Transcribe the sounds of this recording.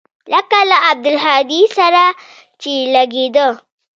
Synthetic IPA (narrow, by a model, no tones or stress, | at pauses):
lakalaab̚d̪əlɦad̪isaɾa | t͡ʃilaɡed̪ə